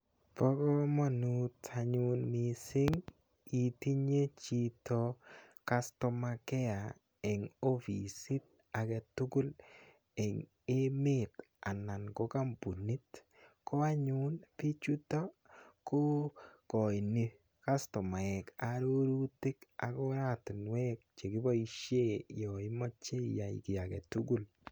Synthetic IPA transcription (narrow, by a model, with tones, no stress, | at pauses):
pɔ˦ɡɔ˦mɔ˦nu˦ta˨ɲʊ˦nmi˨sɪ˦ŋ | i˨ti˦ɲe˦t͡ʃi˦to˦˧ka˦stɔ˨ma˧kɛ˦a˨ | ɛ˨ŋo˦fi˨si˦t̚ | a˨ɡɛ˨tʊ˦ɡʊ˦l | ɛ˨ŋ | e˦mɪ˦t | a̰˨na˨nko˦ka˦mbu˨ni˦t | ko˦a˦ɲu˦npi˦t͡ʃu˦tɔ˦ko˦kɔ˨i˨ni˦ | ka˦stɔ˨ma˨ɛ˨ka˨ɾo˦ɾu˦ti˦ka̰˨ko˦ɾa˦tɪ˨nwɛ˦k̚t͡ʃe˨kɪ˦bɔ˦i˦ʃje˦jɔ˨i˦mɔ˦t͡ʃe˦ja˨j̰kɪ˨a˨kɛ̰˨tu˦ɡu˦˨l